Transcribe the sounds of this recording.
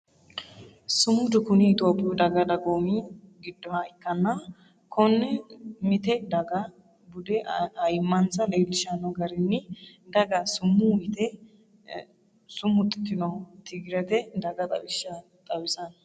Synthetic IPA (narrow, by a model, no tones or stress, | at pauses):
sʊmːʊd̪ʊkʊnɪɪt̪ʼoːpʼːɪjɔd̪ɐɡɐd̪ɐɡoːmiɡɪd̪ːɔhɐɪkːɐnːɐ | kʰɔnːɛmɪt̪ɛd̪ɐɡɐ | bʊd̪ɛɐjmːɐnsɐleːlɪʃɐnɐɡɐɾɪnːɪd̪ɐɡɐsʊmːʊmɪt̪ɛ | sʊmːʊt̪ʼːɪ̥t̪ːɪnɔt̪ɪɡɪɾɛt̪ɛd̪ɐɡɐt̪ʼɐ̰bɪʃːɐ | t̪ʼɐwɪsɐn